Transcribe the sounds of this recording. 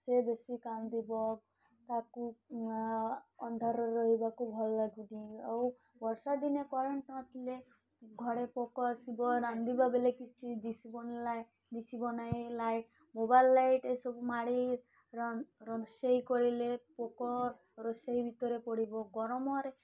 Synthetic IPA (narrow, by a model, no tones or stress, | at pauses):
sebesikamd̪ibɔ | t̪aku | ɔnd̪ʱaɾɔɔɦibakubʱɔlɔlaɡuniaw | bɔɾsad̪inekɔɾeɳʈãt̪ʰile | ɡʱɔɽepɔkɔsibɔɾand̪ibabelekit͡ʃʰid̪isibɔn | d̪it͡ʃʰibɔnajjlajʈ | mobajlːajʈejsɔbumaɽi | ɾɾɔnseɦikɔɾilepokɔɾ | ɾɔseɦibʱit̪ɔɾepɔɽibɔɡɔɾɔmɔɾe